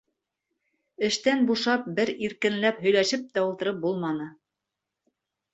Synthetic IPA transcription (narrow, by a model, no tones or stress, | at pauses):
ɘ̆ʃt̪ænbuʃɑp̚bɘɾiɾkɘ̆nlæphɵ̆jlæʃɘp̚t̪æulˠt̪ɤ̆ɾɤp̚bulˠmɑnɤ